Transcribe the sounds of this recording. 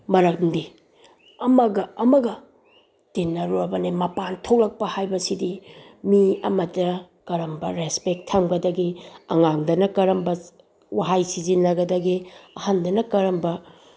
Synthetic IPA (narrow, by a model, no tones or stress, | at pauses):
mɐɾɐk̚ndi | ɐmɐɡɐːmɐɡɐ | d̥inːɐɾobɐnemɐpantʰok̚lɐk̚pɐhajbɐsidimiɐ̰mɐtːɐ | kɐɾɐmbɐɾespek̚tʰːɐmɡɐdɐɡiɐ̰ŋaŋdɐnɐkɐɾɐmbɐ | waɦajsizinːɐɡɐdɐɡiɐhandɐnɐkɐɾɐmbɐ